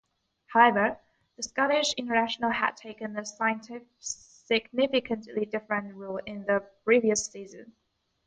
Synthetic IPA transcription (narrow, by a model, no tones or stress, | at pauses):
haʊɛvə˞ | ðəskɑɾɪʃɪ̃ntə˞næʃənəl̩ˠə̰d̚tʰeɪkə̃nðəsaɪə̃ntʰɪ | ɪɡ̚nɪfɪkʰə̃nʔlidɪfɹə̃nʔɹulˠɪ̃nðəpʰɹ̥iviəsizɨ̰̃n